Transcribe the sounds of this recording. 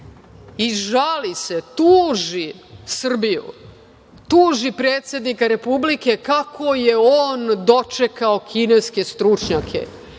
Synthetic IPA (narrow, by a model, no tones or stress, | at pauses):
iʒalise̞t̪uːʒisr̩bijṵ | t̪uːʒipɾeːt̪sʲjed̪nikaɾe̞publike̞kakʰo̞jeoːnd̪o̞t͡ʃe̞kaokʰineske̞st̪ɾut͡ʃɲakʰe̞̰